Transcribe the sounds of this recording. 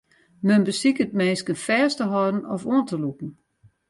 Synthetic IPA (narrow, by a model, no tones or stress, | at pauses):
mønbəsikət̚mɛːskənfɛːɐstəɦɔdn̩ɔfuəntʰəlukn̩